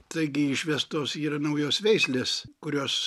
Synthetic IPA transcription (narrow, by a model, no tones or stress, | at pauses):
t̪ɐɪɡʲɪɪʃʲʋʲɛst̪oːsiːrɐnɐʊjoːsʋʲɛɪsʲlʲeːskʊɾʲoːs